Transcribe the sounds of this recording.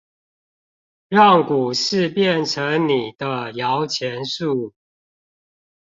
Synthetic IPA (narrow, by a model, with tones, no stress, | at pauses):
ɻɑ˥˨ŋku˨˩ʂɻ̩˥˨pjɛ˥˨nʈ͡ʂʰə˨˦ŋni˨˩d̪ə˦jɑ˨˦ʊt͡ɕʰjɛ˨˦nʂu˥˨